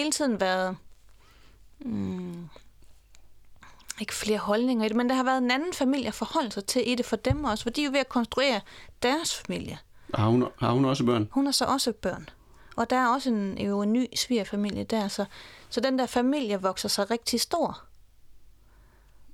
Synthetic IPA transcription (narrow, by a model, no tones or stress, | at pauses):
he̝ːlt͡sʰið̞̰ˠn̩ʋæːɐðˠ | e̝ɡ̥ə̥fle̝ːɐhɒ̽lne̝ŋɐid̥e̝mend̥ehɑ̈ʋæːɐðˠe̝nænn̩fæmil̰jəfɒhɒ̽l̰l̩sɑ̈ɪt͡sʰe̝lʔide̝fɒ̽d̥emɒ̽sə̥fɒ̽d̥ḭːjo̝ʋe̝ækʰɒ̽nsd̥ʁue̝̰ːɐd̥æɐsfæmil̰jə | ɑhunhɑ̈hunɒ̽səb̥ɶɐ̰nhunhɑsɒ̽ʔɒ̽səb̥ɶɐ̰n | ʔɒ̽d̥ææɐɒ̽səenjoenːy̰ːsʋḭɐfæmil̰jəd̥æɐsɒ̽sɒ̽d̥end̥æɐfæmil̰jəʋɒ̽ɡ̥sɐsɑ̈ɪʁeɡ̥̚d̥isd̥o̝ɐ̰